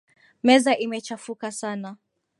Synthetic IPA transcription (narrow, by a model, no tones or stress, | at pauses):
mɛzaʔimɛt͡ʃafukasana